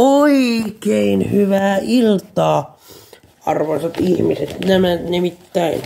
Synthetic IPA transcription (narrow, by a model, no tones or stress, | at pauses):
oikeinhyʋæːilt̪ɑː | ɑ̰rʋɑnsɑt̪ihmiset̪næmænimit̪ːæin